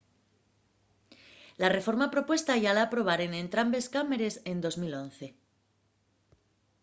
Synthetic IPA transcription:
lare̞fo̞ɾmapɾo̞pwe̞st̪aʝalaːpɾo̞β̞aɾenẽ̞nt̪ɾambe̞skame̞ɾe̞se̞nd̪o̞zmilo̞n̟θe̞

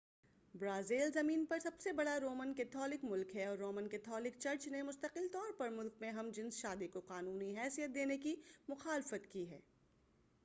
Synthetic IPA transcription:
bɾaːzeːlzɐmiːnpɐɾsɐbsebɐɽaɾoːmənkɛːt̪ʰɔːlɪkmʊlkɦɛɔːɾːoːmənkɛːt̪ʰɔːlɪk̚t͡ʃɐɾt͡ʃnemʊst̪əqɪlt̪ɔːɾpɐɾmʊlkmẽɦɐmd͡ʒɪ̃nsʃaːd̪ikoqaːnuːniɦɛːsijət̪̚d̪eːnekimʊxaːlɪfət̪kiɦɛ̰ː

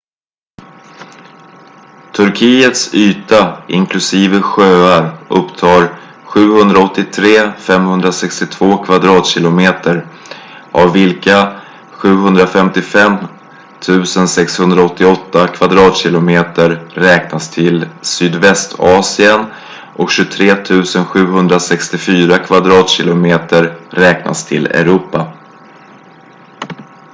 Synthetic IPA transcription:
t̪ʰɵɾkʰijət̪syːt̪aʔɪ̰ŋklɵsiːvəɧøːaɾʔɵpːt̪ʰɑːɾ | ɧʉ̟ːhɵnd̪ɾaɔt̪ːɪt̪ʰɾeːfɛmhɵnd̪ɾasɛkst̪ɪt̪ʰv̥oːkʰvad̪ɾɑːt̪ɕɪlʊmeːt̪əɾ | ʔavːɪlka | ɧʉ̟ːɦɵnd̪ɾafɛmt̪ɪfɛm | t̪ʰʉ̟ːsənsɛkshɵnd̪ɾaɔt̪ːɪɔt̪ːakʰvad̪ɾɑːt̪ɕɪlʊmeːt̪əɾːɛːknast̪ʰɪlsyːd̪vɛst̪ʰɑːsɪən | ʔɔkɕɵt̪ʰɾeːt̪ʰʉ̟ːsənɧʉ̟ːɦɵnd̪ɾasɛkst̪ɪfyːɾakʰvad̪ɾɑːt̪ɕɪlʊmeːt̪əɾːɛːkna̰st̪ʰɪlɛ̰ɾuːpa

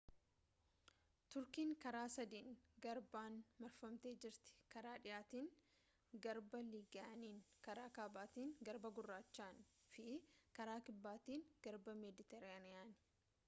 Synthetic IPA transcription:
t̪ʊɾkiːŋkɐɾaːsɐd̪iːŋɡɐɾbaːnmɐɾfɐmt̪eːd͡ʒɪɾt̪ɪ̥kɐɾaːᶑɪjaːt̪iːŋ | ɡɐɾbɐliːɡaɐniːŋkɐɾaːkaːbaːt̪iːŋɡɐɾbɐɡʊrːaːt͡ʃːaːnfɪkɐɾaːkɪbːaːt̪iːŋɡ̥ɐɾbɐmɛd̪ɪt̪ɛɾɪaːnɪjaːnɪ̥

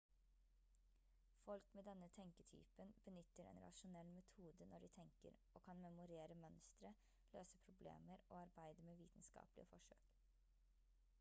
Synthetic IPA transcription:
fɔlkmeːd̪ɛnːət̪ʰɛŋkət̪ʰy̰ːpənb̥ənʏt̪ːəɾɛ̰ːnɾɑ̰ʂʊnɛlːmɛt̪ʰuːd̪ənʔɔɖiːt̪ʰɛŋkə̰ɾoːkʰɑnmɛmʊɾeːɾəmœnst̪ɾə | løːsəpʰɾʊblḛːməɾʔo̰ːɑɾbæɪd̪əmeːʋḭːt̪n̩skɑ̰ːplɪ̰əfɔʂø̰ːk

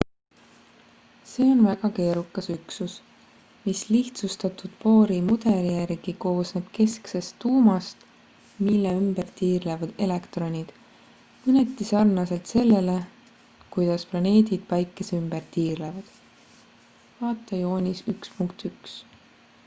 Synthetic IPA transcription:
se̞ːo̞nvæɡ̥ɑke̞ːɾukːˑɑsyksus | misliht̪sust̪ɑt̪ud̪̥po̞ːɾimud̪̥e̞lijæɾɡ̥iko̞ːsneb̥ke̞sksest̪ːuːmɑst̪ | milːeymbert̪iːrlevɑd̪̥e̞lekt̪ro̞nʲid̪̥ | mɯne̞t̪ˑːisɑrnɑse̞lt̪se̞lːe̞le̞ | kujd̪̥ɑsplɑne̞ːd̪̥id̪̥̚pɑjkːˑeseymb̥ert̪iːrlevɑd̪̥ | vɑːt̪ːˑɑjo̞ːnʲisykspuŋkt̪yks

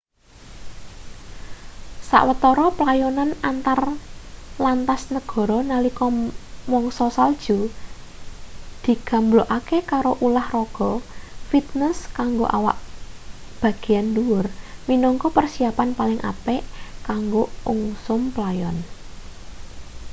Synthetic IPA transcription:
sa̰ʔwət̪ɔɾɔplajɔnanant̪ar | lant̪asnəɡ̥ɔ̤ɾɔnalikɔmɔŋsɔsald̥ʒ̥u | d̪̥i̤ɡ̥a̤mbloʔakekaɾoʔulahrɔɡ̥ɔ̤fit̪̚nɛskaŋɡo̰ʔa̰wa̰ʔ | b̥ä̤ɡ̥e̤janduwʊrminɔŋkɔpərsiapanpalɪŋʔa̰pɛʔkaŋɡouŋsʊmplajɔn

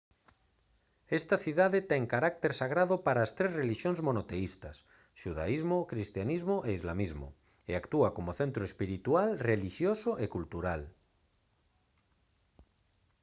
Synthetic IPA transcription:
est̪aθiðaðet̪eŋkaɾak̚t̪eɾsaɣ̞ɾaðopaɾaːst̪ɾezreliʃjonzmonot̪eist̪as | ʃuðaizmokɾist̪janizmoʔeizlamizmo̰ | eakt̪uakomoθẽnt̪ɾoespiɾit̪ualreliʃjosoʔekult̪uɾal

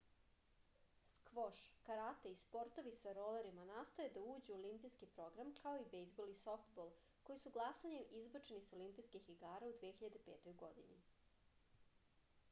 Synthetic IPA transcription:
skʋo̞ʃkaɾat̪eispo̞ɾt̪o̞ʋisaɾo̞leɾimanaːst̪o̞jed̪auːd͡ʑuuolimpiskipɾo̞ɡɾamkao̞ibejzboliso̞ft̪bolˠ | ko̞jisuɡlˠasaɲe̞mʔizbat͡ʃe̞niso̞limpiskexiɡaːɾaud̪ʋieçiʎad̪e̞pe̞ːt̪o̞jɡo̞d̪ini

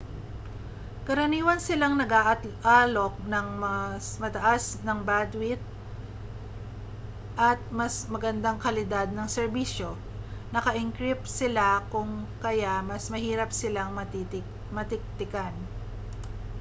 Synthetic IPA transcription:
kɐɾɐniːwɐnsɪlaŋnɐɡaʔʔalo̞k̚nɐŋmɐsmɐt̪ɐʔasnɐŋbad̪wɪt̪̚ | ʔɐt̪̚mɐsmɐɡɐnd̪aŋkɐlɪd̪ad̪̚nɐŋsɛɾbiʃo̞ | nɐkɐʔɪŋkɾɪp̚sɪlakʊŋkɐjamɐsmɐhiːɾɐpsɪlaŋmɐ | mɐt̪ɪk̚t̪ɪkan

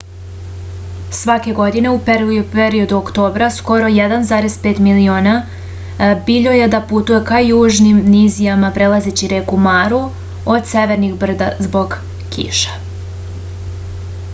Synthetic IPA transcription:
sʋake̞ɡo̞d̪ine̞upepeɾio̞d̪uokt̪o̞ːbɾasko̞ɾo̞jed̪anzaːɾe̞zpe̞ːt̪milioːna | biʎo̞je̞d̪aput̪uje̞kajuːʒnimnizijamapɾelˠazet͡ɕiɾeːkumaːɾu | o̞d̪seʋe̞ɾnixbr̩d̪azbo̞ɡ | kḭʃḁ

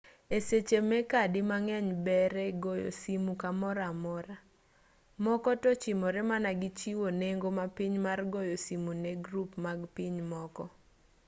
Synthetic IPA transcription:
eset͡ʃemɛkadɪmaŋɛɲbɛɾɛɡɔjo̰simukamɔɾamɔɾa | mɔkɔtɔt͡ʃɪmɔɾɛmanaɡɪt͡ʃiwoneŋɡomapiɲmarɡɔjosimuneɡɾupmaɡpiɲmɔkɔ

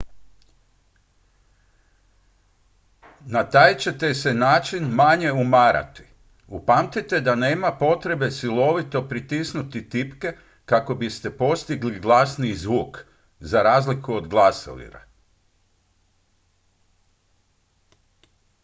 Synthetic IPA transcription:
nat̪aːjt͡ɕe̞t̪e̞se̞naːt͡ʃinmaɲe̞umaːɾʔa̰t̪i̥ | upamt̪it̪e̞d̪ane̞ːmapo̞t̪ɾe̞be̞silo̞ʋit̪o̞pɾit̪isnut̪it̪ipke̞ | kako̞bist̪e̞po̞st̪iɡliɡlˠasnizʋuːk | zaɾaːzlikuod̪ɡlˠasḛlḭɾa̰

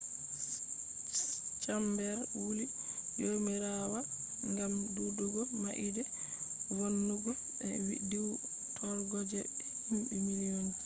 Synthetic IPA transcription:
t͡ʃambɛɾwuli | jomiɾawa | ŋɡamduduɡɔmaʔidɛ | wonːuɡɔ | ɓɛwḭdiw | tʰɔɾɡɔd͡ʒɛ | himɓɛmiliɔn

